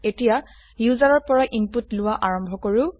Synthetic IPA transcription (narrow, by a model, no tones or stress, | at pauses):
etija | juzaɹɔɹpɔɹaʔimputlʊwaʔaɹɔmbʱɔkoɹʊ